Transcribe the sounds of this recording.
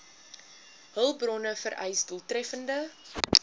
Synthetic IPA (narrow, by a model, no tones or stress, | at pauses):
ɦəlˠbrɔnəfəɾʔɛ̰jsdulˠtrɛfəndə